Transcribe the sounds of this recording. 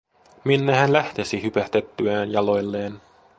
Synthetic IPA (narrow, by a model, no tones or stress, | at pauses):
minːehænlæht̪esiɦypæht̪e̞t̪ːyæːnjɑlo̞jlːe̞ːn